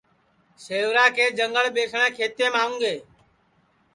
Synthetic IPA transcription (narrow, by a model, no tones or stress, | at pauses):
seːʋɾaːkʰeːd͡ʒəŋɡəɭɓeːsʰɳ̃ɛ̃ːkʰeːt̪ẽːmaːũːŋɡeː